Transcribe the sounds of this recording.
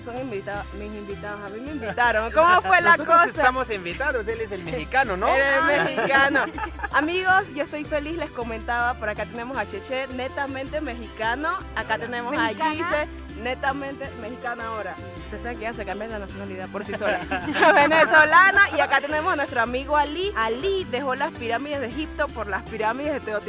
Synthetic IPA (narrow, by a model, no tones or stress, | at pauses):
soŋimbit̪aðosmisimbit̪aðosamimeimbit̪aɾoŋkomofwelakosaamosimbit̪anoseles̬elmexikanonoeɾemeikanoamiɣo̞sʝoest̪o̞jfelisle̞sko̞mẽnt̪aβapoɾakat̪enemosat͡ʃet͡ʃenet̪amẽnt̪emexikanoakat̪enemosat͡ʃise | net̪amẽnt̪emexikanoaoɾa | u̥t̪eseekeas̬ekambjalanasjonaliðapoɾsisolaβenesolanoiakat̪ene̞mosanwest̪ɾoamiɣoalialid̪exo̞laspiɾamiðezðexip̚t̪opoɾlaspiɾamiðezðet̪eot̪